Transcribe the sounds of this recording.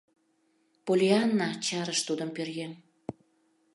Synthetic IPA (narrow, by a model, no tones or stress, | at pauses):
polʲiɑnːɑt͡ɕɑɾəʃt̪ud̪əmpørɣe